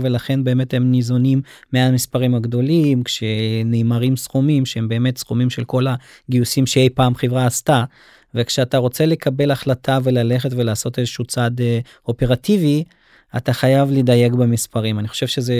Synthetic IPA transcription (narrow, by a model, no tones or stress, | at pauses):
ve̞laχe̞nbeːme̞themnizo̞nimːeamispaʁimaɡd̪o̞limkʃeneːmaʁimsχumimʃee̞mbe̞ːme̞tsχumimʃe̞lko̞laɡiusimʃeejpaːmχevʁaːsta | ve̞kʃeataʁo̞t͡se̞le̞kʰabe̞laχlatʰave̞lale̞χe̞tve̞laːso̞tezeʃut͡sad | o̞pe̞ʁativi | ataχajavlidaje̞kbemispaʁimaniχo̥ʃevʃeze